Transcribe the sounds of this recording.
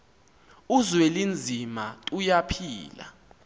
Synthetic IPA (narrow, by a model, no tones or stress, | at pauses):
uzwelind͡zʱimatʼujapʰiːla̰